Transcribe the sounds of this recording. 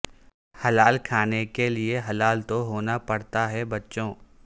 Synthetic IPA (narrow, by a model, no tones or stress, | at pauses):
hɐlaːlkʰaːnekelieɦɐlaːlt̪oɦoːnapɐɽt̪aɦɛbɐtːʃõː